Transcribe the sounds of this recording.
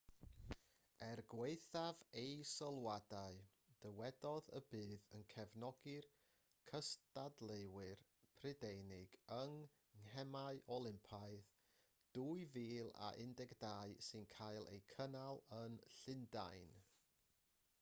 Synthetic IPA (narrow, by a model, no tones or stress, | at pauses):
ɛrɡweɨθavejsəlˠwadaɨ | d̥əwɛdɔðə̰bɨːðənkʰɛvnɔɡɪr | kʰəstadlˠeɨwɨrpʰrɪdejnɪɡəŋ | ŋɦɛmaɨʔɔlˠɪmpʰaɨð | d̥uːɨviːlˠa̰ʔɪndɛɡdaːɨsɨnkʰajlˠḛjkʰənalˠənɬɪnda̰jn